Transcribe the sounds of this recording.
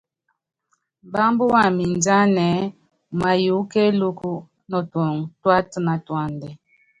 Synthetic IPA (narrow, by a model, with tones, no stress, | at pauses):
ba˦mbu˦wa˨mi˨nd͡ʒa˦nɛ˨˦ | ma˨ju˨˦kɛ˦lu˦ku˦ | nɔ˨tɔ˨ŋtwa˦tna˨twa˨ndɛ˨